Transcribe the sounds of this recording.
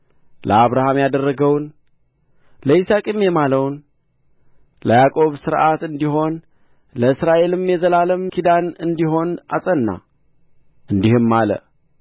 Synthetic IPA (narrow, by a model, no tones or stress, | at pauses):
lʔəaβɾahamjad̪ərːəɡəwn | ləisakʼɨmjɛmaləwn | ləjakʼo̞βsɨɾʔat̪ɨnd̪iɦo̞n | ləɨsɾaʔe̞lɨmjɛzəlaləmkʰid̪anɨnd̪iɦo̞nasʼənːa̰ | ʔɨnd̪ihɨmːalə̰